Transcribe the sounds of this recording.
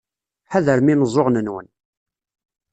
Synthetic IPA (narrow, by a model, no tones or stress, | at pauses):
ħæðəɾminəzˤoʁnənwə̰n